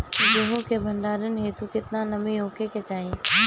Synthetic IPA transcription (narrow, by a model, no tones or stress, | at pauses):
d͡ʒoːɦõkebʱɐ̃ɳɖaːɾənɦet̪ukɪt̪nanɐmeoːkeket͡ʃaːɦẽ